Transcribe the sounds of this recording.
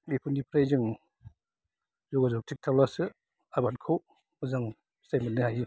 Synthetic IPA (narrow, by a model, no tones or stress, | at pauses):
bipʰunipʰɾajzɯŋ | zɔɡazɔk̚tʰik̚tʰawlasɯ | abankʰow | mɯzaŋ | sajmatnːɯhajɯ